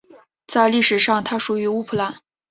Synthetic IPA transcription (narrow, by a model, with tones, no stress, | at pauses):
t͡sa˥˧ɪli˥˩ʂɻ̩˨˩ʂɑ˥˩ŋt̪ʰa˥ʂu˨˩y˧˥u˥pʰɤ˥˩la˧˥n